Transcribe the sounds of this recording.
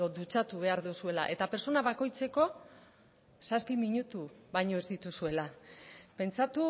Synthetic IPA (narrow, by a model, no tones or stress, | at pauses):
od̪ut͡sat̪uβ̞e̞aɾðusue̞la̰ʔe̞t̪ape̞ɾso̞naβako̞jt͡se̞ko̞ | saspimiɲut̪uβajɲo̞e̞zd̪it̪usue̞lape̞nt͡sat̪u